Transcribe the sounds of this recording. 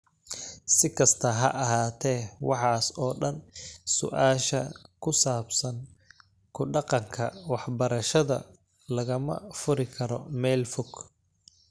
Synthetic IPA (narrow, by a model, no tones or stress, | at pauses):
sɪkʰɐst̪ʰɐɦɐ̰ʔɐɦaːt̪ʰɛːwɑħɑːsɔːɖɐnsʊ̰ʔaːʃɐkʰʊsaːbsɐŋ | kʰʊɖɑqɑŋkʰɐ̰wɑħbɐɾɐʃɐðɐ̰ | lɐɣɐmɐ̰fʊɾɪkʰɐɾɔmɛːlfʊɡ